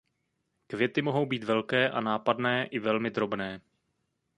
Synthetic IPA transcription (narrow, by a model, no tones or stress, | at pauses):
kvjɛt̪ɪmo̞ɦo̞wbiːt̪vɛlkɛːʔa̰naːpadnɛːʔɪvɛlmɪd̪ɾo̞bnɛː